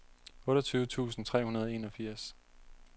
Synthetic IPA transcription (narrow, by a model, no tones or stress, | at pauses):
ɔ̽ːɾɐt͡sʰyːʊət͡sʰṵːsn̩t͡sʰʁɛ̰ːhunɐð̞ˠe̝ːnɒ̽fiɐ̰s